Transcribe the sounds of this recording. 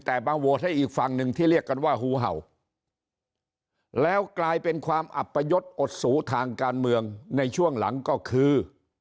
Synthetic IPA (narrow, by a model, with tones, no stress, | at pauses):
t̪ɛː˨˩baː˧ŋwo˨˩˦t̚a˥˩jʔiː˨˩k̚fa˧ŋnɯ˨˩ŋt̪ʰiː˥˩ɾi˥˩əkːa˧nwaː˥˩ɦuː˨˦ɦa̰˨˩w | lɛː˦˥wklaː˧jpe˧nkʰwaː˧mʔa̰˨˩pːa˧jo˦˥t̪̚ʔo˨˩t̪̚suː˩˦t̪ʰaː˧ŋkaː˧nmɯ˧əŋna˧jt͡ɕʰu˥˩əŋla̰˩˦ŋkɔː˥˩kʰɯː˧